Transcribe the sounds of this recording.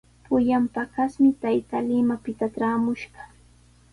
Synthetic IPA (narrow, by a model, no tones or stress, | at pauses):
pʊjampakasmɪt̪ajt̪alɪmapɪt̪aʈ͡ʂaːmʊʃɢɑ